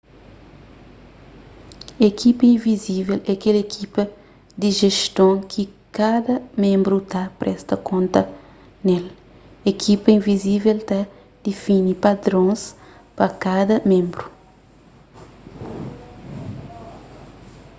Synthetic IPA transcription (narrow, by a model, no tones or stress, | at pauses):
ekʰipɐĩvizivelɛkelekʰipɐ | d̪iʒeʃt̪õŋkʰi | kad̪ɐmẽmbɾut̪apɾʔɛst̪ɐkõnt̪ɐ | nel | ekʰipɐĩvizivelt̪a | d̪̥efinipad̪ɾõspɐkad̪ɐmẽmbɾu